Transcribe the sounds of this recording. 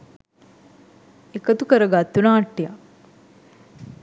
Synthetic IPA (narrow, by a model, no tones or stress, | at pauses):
ekət̪ukəɾəɡat̪ːunaːʈːija̰